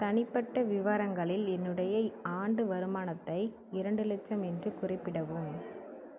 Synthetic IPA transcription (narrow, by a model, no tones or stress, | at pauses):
t̪ɐnɪpːɐʈːɐʋɪʋaːɾɐŋɡɐɭɪlɛnːɯɽɐjɐaːɳɖɯʋɐɾɯmaːnɐt̪ːɐɪ | ɪɾɐɳɖɯlɛt͡ʃːɐmɛndrɯkʊrɪpːɪɽɐʋɯm